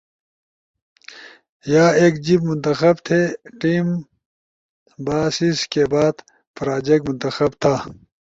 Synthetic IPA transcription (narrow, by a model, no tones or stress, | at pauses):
jaːeːkd͡ʑibmʊnt̪ɐxɐbt̪ʰeʈiːm | baːsiskebaːd̪ | fɾaːd͡ʑekmʊnt̪ɐxɐbt̪ʰaː